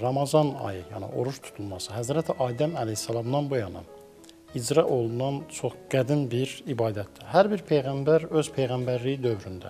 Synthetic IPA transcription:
ɾɑmɑzɑnɑ̰jɯjɑ̰nɯ̰ʔo̞̰ɾuʃt̪ʰu̥t̪ʰulˠmɑsɯɦæzɾæt̪ʰiʔɑːd̪æmælehsːɑlˠɑmd̪ɑnbujɑnɑ̰ | id͡ʒɾɑʔo̞lˠunɑnt͡ʃʰo̞χɡ̥æd̪inbiɾibɑːd̪æt̪̚d̪ihæɾbiɾpʰe̞jɣæmbæɾø̞z̥pʰe̞jɣæmbæɾlijid̪ø̞vɾynd̪æ̰

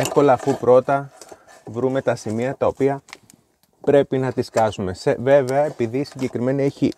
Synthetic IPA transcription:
e̞fko̞lɐːfupɾo̞t̪ɐ | vɾume̞t̪ɐsimiɐt̪ɐo̞piɐ | pɾe̞pinɐt̪iskɐzume̞seve̞ve̞ɐepiðisiɲɟe̞kɾime̞nieçi

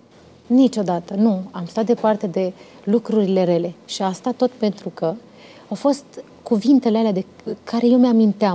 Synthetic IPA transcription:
nit͡ʃo̞d̪at̪ənuamst̪at̪̚d̪epart̪e̞d̪e̞ | lukɾuɾile̞ɾe̞le̞ʃiast̪at̪ːo̞t̪pe̞nt̪ɾukə | awfo̞st̪ | kuvint̪e̞lealead̪e̞kʰaɾe̞jewmeamint̪ea

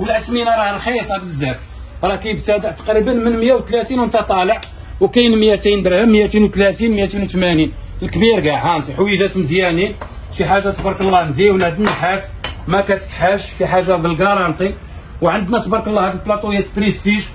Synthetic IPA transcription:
wəlʕəsminɑɾˤɑlxɑjːsˤɑbəzːæf | ɾˤɑkæjəbt̪æd̪əʕt̪ɑ̥qɾibənmənmjæwt̪læt̪inwənt̪ɑt̪ˤɑləʕ | wkæjnmjæsæjənd̪ɾhəmjæt̪inwt̪læt̪inmjæt̪inwt̪mænin | əlkbiɾɡæħænt̪ħwiʒæsmzjænin | fiħaʒːasˤbɾˤkəlˤːɑnziwnæd̪ənːəħasmækæt̪ə̥kħaʃfiħaʒːabəlɡɑɾˤɑnt̪ˤi | wʕand̪næsˤbɑɾkəlˤːɑhæd̪əlplɑt̪ˤujæt̪bɾist̪iʒ

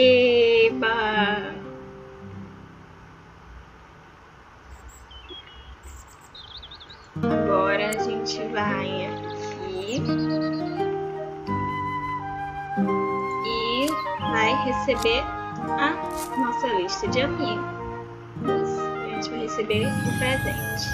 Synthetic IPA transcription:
eba | aɡɔɾɐːʒẽt͡ʃɪvajakʰi | ɪvajɦesebeɾ | ɐ | nɔsɐliʃt̪ɐd͡ʒɪamiɡʊ | ʒẽt͡ʃɪvajhesebeʊpɾezẽt͡ʃɪ̥

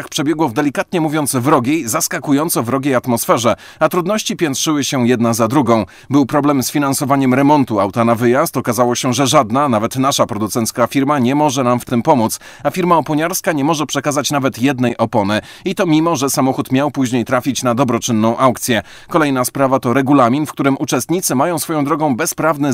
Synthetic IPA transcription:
axpʂɛbʲjɛɡwɔvd̪ɛlʲikat̪ɲɛmuvjɔnd̪svɾɔɡʲejzaskakujɔnt̪sɔvɾɔɡʲejat̪mɔsfɛʐɛ | at̪ɾud̪nɔɕt͡ɕipʲjɛnt̪ʂɘwɘɕɛjɛd̪nazad̪ɾuɡɔ̃w̃ | bɘwpɾɔblɛmsfʲinansɔvaɲɛmɾɛmɔnt̪uawt̪anavɘjast̪ɔkazawɔɕɛʐɛʐad̪nanavɛt̪naʂapɾɔd̪ut̪sɛnt̪skafʲiɾmaɲɛmɔʐɛnamft̪ɘmpɔmut̪s | afʲiɾmaɔpɔɲaɾskaɲɛmɔʐɛpʂɛkazat͡ɕnavɛt̪jɛd̪nɛjʔɔpɔnɘ | it̪ɔmʲimɔʐɛsamɔxut̪mʲjawpuʑɲejt̪ɾafʲit͡ɕnad̪ɔbɾɔt͡ʂɘnːɔ̃w̃ʔawkt̪sʲjɛ | kɔlɛjnaspɾavat̪ɔɾɛɡulamʲinfkt̪uɾɘmʔut͡ʂɛst̪ɲit̪sɘmajɔ̃w̃sfɔjɔ̃w̃d̪ɾɔɡɔ̃w̃bɛspɾavnɘ

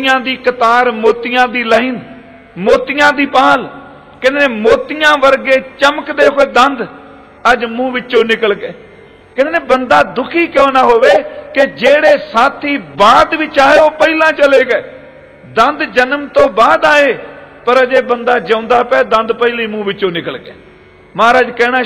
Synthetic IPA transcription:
jãːd̪iːkət̪aːɾmoːt̪ɪjãːd̪iːləɪn | moːt̪ɪjãːd̪iːpaːl | kɛ̃neneːmoːt̪ɪjãːʋəɾɡeːt͡ʃəməkd̪eːkoeːd̪ənd̪ | əd͡ʒmũːʋɪt͡ʃõːnɪkəlkeː | kɛneneːbənd̪aːd̪ʊkʰiːkõːnaːɦoːʋeːkɪd͡ʒeːɽeːsaːt̪ʰiːbaːd̪ʋɪt͡ʃaːeːoːpəiːlãːt͡ʃəleːkɛː | d̪ənd̪d͡ʒənəmt̪õːbaːd̪aːeːpəɾəd͡ʒeːbənd̪aːd͡ʒə̃ʊnd̪aːpɛːd̪ə̃nd̪pəiːliːmũːʋɪt͡ʃːõːnɪkəlkeː | mãːɾaːd͡ʒkɛːɽaː

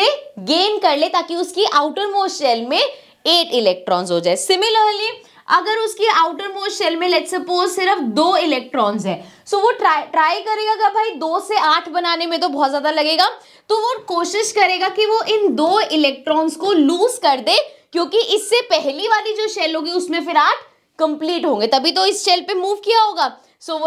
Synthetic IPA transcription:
eɡeːnkɐɾleːt̪aːkiʊskiʔaːʊʈəɾmoːʃɛːlmẽ | eːʈɪlɛːk̚ʈɾɔːnzɦoːd͡ʒaːesɪmɪləːli | ɐɡəɾʊskiaːʊʈəɾmoːʃɛːlmẽlɛʈsɐpoːzsɪɾəfd̪oːɪlɛːk̚ʈɾɔːnzɦɛ̃ː | soːʋoʈɾaʈɾaːɪkɐɾeːɡaɡabʱaːid̪oːseaːʈʰbɐnaːnemẽt̪obɔːt̪zjaːd̪alɐɡeːɡaː | t̪oʋokoːʃɪʃkɐɾeːɡakiʋoʔɪnd̪oːɪlɛːk̚ʈɾɔːnzkoluːzkɐɾd̪eːkjõːkiʔɪsːepɛɦliʋaːlid͡ʒoːʃɛːlɦõːɡiʊsmẽfɪɾaːʈʰ | kɐ̃mpliːʈɦõːŋɡet̪ɐbʱit̪̬oɪsʃɛːlpemuːʋkijaɦoːɡaː | soː

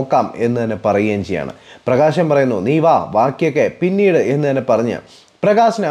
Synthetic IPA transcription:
kːaːme̞nːɨt̪ɐnːepɐrɐjujaːnt͡ɕejːa̰ːɳɨ̰prɐɣaːɕɐmpɐrɐjunːuniːʋaːʋaːkːjokːe̞pinːiːɽɨe̞nːɨt̪ɐnːepɐrɐɲːɨ̰ | prɐɣaːɕɐnɐ

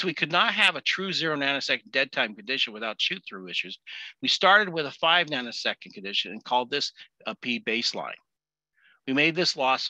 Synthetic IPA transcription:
wikʰɨdⁿnət̚ɦɨvɨtʰɹ̥ʉzɪɹoʊnãɪ̃nɨsɛkn̩dɛd̚tʰãɪ̃mkɨn̩dɪʃɨ̃nwɨθaʊtʃʉt̪̚θɹʉɪʃʉzwistɑɹɾɨd̚wɨðəfaɪvnãɪ̃nɨsɛkɨ̃n̩kʰɨ̃n̩dɪʃɨ̃nɨ̰̃nkʰɔlˠd̪̚ðɪs | əpʰibeɪslã̰ɪ̃n | wimeɪd̪̚ðɪslɔs

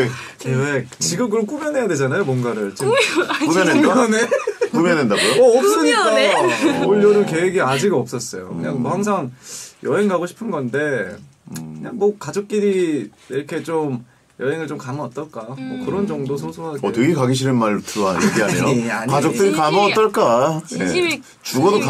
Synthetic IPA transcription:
eek̚t͡ɕiɡɯmkɯɾʌmk͈umjʌnɦe̞jadwe̞d͡ʑanajomwʌnɡaɾɯɭt͡ɕ͈ikumʌneʌnekumjenendaɡojoʌːp̚s͈ɯɲik͈aoʎːʌɾɯke̞weɡiad͡ʑiɡʌp̚s͈ʌs͈ʌjo̰kɯɲaŋbohaŋs̬ʰaŋjʌɦeŋɡaɡoɕʰi̥pʰɯnɡʌnde̞ | kɯɲaŋmʌkad͡ʑok̚k͈iɾi | eɾkʰe̞t͡ɕom | jʌɦeŋɯɭt͡ɕomkamʌʌt͈ʌɭk͈amʌkɯɾʌnd͡ʑʌŋdosʰosʰoɦaʌtwe̞ɡekaɡiɕ̬ʰiɾɯnmaɭtɯɾoɦaneɡiaɲejoakad͡ʑok̚t͈ɯɾikamʌt̚t͈ʌɭk͈ae | t͡ɕuɡʌdok

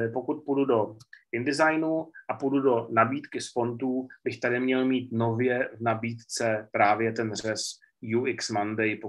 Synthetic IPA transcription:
po̞kut̪̚pududo̞ʔɪndɪzajnuʔapududo̞nabiːt̪kɪspo̞nt̪uːbɪxt̪adɪmɲɛlmiːt̪no̞vjɛvnabiːt̪t͡sɛpɾaːvjɛt̪ɛnrɛs | juɪksmandɛjpo

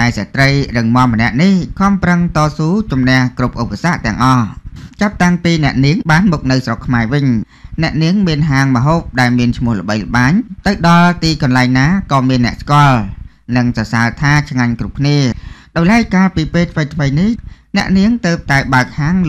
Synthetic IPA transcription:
ɗaɛsat̪rəjrɨŋmŏəmə̆nɛ̆əʔnihkʰŏmprəŋt̪ɑːsuːt͡ɕumnɛ̆əhkrup̚ʔupːasaʔt̪ɛ̆əŋʔɑht͡ɕap̚t̪aŋpiːnɛ̆əʔniəŋɓaːnmuk̚nɨwsrokʰːmaɛʋɨɲ | nɛ̆əʔniəŋmiənɦaːŋmə̆ɦoːp̚ɗaɛlmiənt͡ɕʰmʊ̆əhlə̆ɓəjlə̆ɓaːɲt̪ɨwɗɑlt̪iːkɑnlaɛŋnaːkɑːmiənːɛ̆əʔskŏəl | nɨŋsɑsaːət̪ʰaːt͡ɕʰŋaɲkrup̚kʰniəɗaʊjlaɛc̚kaːlpiːpeːlt̪ʰʋəjt̪ʰməjnihnɛ̆əʔniəŋt̪əːp̚t̪aɛɓaək̚haːŋl

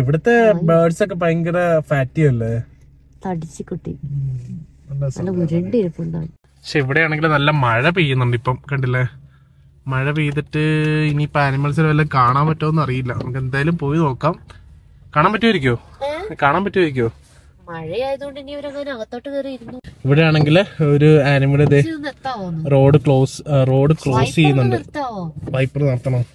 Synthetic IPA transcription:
iʋiɽɐt̪ːe̞baːɖsokːep̬ɐjŋiɡirɐfaːtːijɐlːɐ | t̪ɐɽit͡ɕːɨkːuʈːḭ | ɐlːɐslːɐuɾeɳɖɾupːuɳɖa̰ː | ɐkʂeiʋiɽejaːɳeŋɡilnɐlːɐmɐɻɐp̬ejːunːuɳɖipːɐmkɐɳɖilːe | mɐɻɐpejːut̪ːɐʈːɨinipaːnimːɐnɐs̬ɐlʋɐlːɐkaːɳaːmpɐtːoːðenːɐrijilːɐnɐ̰mukːend̪aːjɐlumpo̞ːjino̞ːkːaːm | kaːɳaːmpɐtːuʋɐɾikʲːuoːkaːɳaːmpɐtːuʋɐɾik̬ʲːuoː | mɐɻɐaːjɐðuoɳɖinioɾukɐnɐʋɐt̪ːoːʈːɨkɐriiɾunːuiʋiɽejaːɳe̞ŋɡiloɾuaːnimɐlɐðe | ro̞ːɖɨkɭo̞ːsɨro̞ːɖɨkɭo̞ːsjejːunːuɳɖɨ | pɐjpːilnɐrt̪ʰːɐɳɐm

